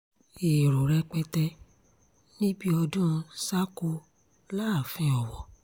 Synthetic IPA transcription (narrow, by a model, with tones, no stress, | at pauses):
e˨ɾo˨ɾɛ˧k͡pɛ˧tɛ˧ | nĩ˦bi˦ɔ˧dũ˦˧sa˦ko˧ | la˦˨fĩ˧˦ɔ˨wɔ˨